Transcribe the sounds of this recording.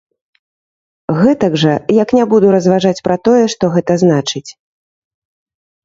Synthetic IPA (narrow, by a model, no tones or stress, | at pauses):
ɣɛt̪ɐɡʐɐjaknʲabud̪uɾɐzvaʐat͡sʲpɾɐt̪ɔjɛʂt̪ɔɣɛt̪ɐznat͡ʂɨt͡sʲ